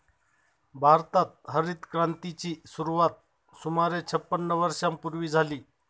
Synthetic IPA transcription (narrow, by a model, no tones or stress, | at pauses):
bʱaɾt̪at̪̚ɦəɾit̪kɾãnt̪it͡ɕiːsuɾuʋat̪̚ | sumaɾet͡ɕʰəpːənːəʋəɾʂampuɾʋiːd͡zʱaliː